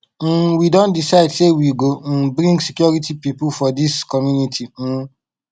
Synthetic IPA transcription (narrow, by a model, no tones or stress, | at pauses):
widõntdisaɪdsewiɡobɾĩŋɡsikjɔɹitipipulfɔdiskɔmjunitʰim̩